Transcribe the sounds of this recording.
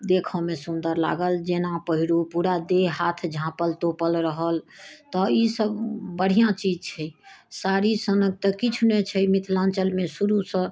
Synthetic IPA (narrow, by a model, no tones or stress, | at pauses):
d̪ekʰɔmesund̪əɾla̰ɡəld͡ʒenapəɦiɾupuɽad̪eɦat̪ʰd͡ʒʱãpəlt̪opəlɾəɦəlt̪ɔisəbbəɽ̤ijãt͡ʃid͡ʒt͡ʃʰɛsaɾisənək̚t̪əkit͡ʃʰnet͡ʃʰɛmit̪ʰlãnt͡ʃəlmesuɾusə̃